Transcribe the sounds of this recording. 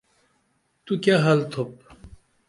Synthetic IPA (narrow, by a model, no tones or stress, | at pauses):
t̪ukjaːɦɐlt̪ʰop̚